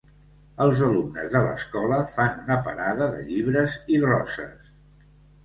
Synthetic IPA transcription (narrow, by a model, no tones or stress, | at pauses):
əlˠzəlumnə̰zðələ̰skɔləfanunəpə̰ɾaðəðə̰ʎiβ̞ɾəzirɔsə̰s